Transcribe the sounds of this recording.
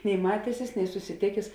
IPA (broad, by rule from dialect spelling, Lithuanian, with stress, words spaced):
nʲɛɪ ˈmɑːtʲɛsʲɪs nʲɛɪ sʊsʲɪˈtʲeːkʲeːs